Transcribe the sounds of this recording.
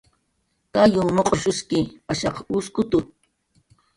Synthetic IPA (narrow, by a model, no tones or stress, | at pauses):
kajʊmoqʼoʃʊskɪaʃɑquskʊt̪ʊ